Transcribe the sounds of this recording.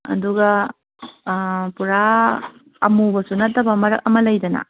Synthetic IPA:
ɐ̰duɡɐ | puɾaː | mubɐsunɐtːɐbɐmɐɾɐk̚ɐmɐlɐjdɐnɐ̰

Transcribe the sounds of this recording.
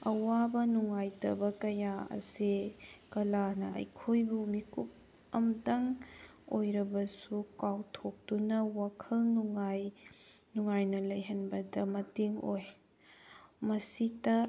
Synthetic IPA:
ɐwabɐnuŋajtɐ̰bɐkɐjaɐ̰sikɐlanɐʔɐ̰jkʰojbumikup̚ | ɐmdɐŋ | ojɾɐbɐsukawtʰok̚tunɐwakʰɐlnuŋaj | nuŋajnɐlɐjɦɐnbɐdɐmɐtiŋoj | mɐsitɐ

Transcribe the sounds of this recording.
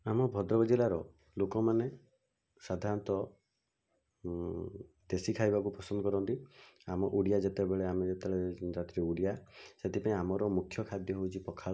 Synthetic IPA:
amɔbʱɔd̪ɾɔbɔd͡ʒilaɾɔ | lokɔmane | sad̪ʱaɾnt̪ɔ | d̪esikʰajbakupɾɔsɔnd̪ɔkɔɾɔnt̪iamɔʔuɽijad͡ʒet̪ebeɭeamed͡ʒet̪eeɭeɾat̪ɾiuɽijaset̪ʰipaĩamɔɾɔmukʰːjɔkʰad̪jɔɦowt͡ʃʰipɔkʰaɭɔ

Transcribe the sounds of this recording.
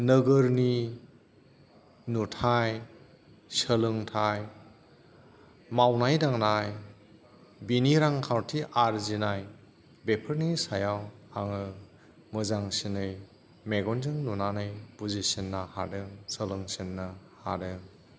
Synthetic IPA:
nɯɡɯɾni | nutʰaj | səlɯŋtʰaj | mawnajdaŋnaj | biniɾaŋkʰawtʰiʔaɾzinaj | bepʰɯɾnisajawaŋɯ | mɯzaŋsinɯj | meɡɔnzɯŋnunanɯjbuzisinːaha̰dɯŋsəlɯŋsinːɯha̰dɯŋ

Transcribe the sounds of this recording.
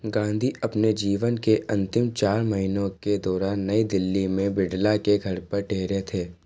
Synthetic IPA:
ɡãːnd̪ʱiɐpned͡ʒiːʋənkeʔɐ̃nt̪ɪmt͡ʃaːɾmɐɦinõked̪ɔːɾaːnːɐid̪ɪlːimẽbɪɖlakeɡʱɐɾpɐɾʈʰeːɾet̪ʰeː

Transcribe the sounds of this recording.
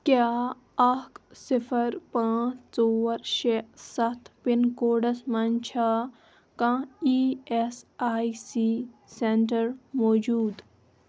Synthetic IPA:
kjaː | ɐksipʰɐɾpãːt͡ʃʰt͡soːʋɐɾʃesɐt̪ʰpinkoːɖɐsmɐnt͡ʃʰa | kãːiːesaːisiːsenʈɐɾmoːd͡ʒuːd̪

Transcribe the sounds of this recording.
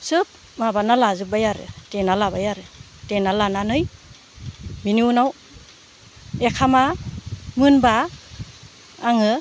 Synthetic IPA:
sɯp̚ | mabanalazɯbajaɾɯ̰tenalabajaɾɯ | tenalananɯj | mininaw | ekʰamamɯnba | ŋɯ

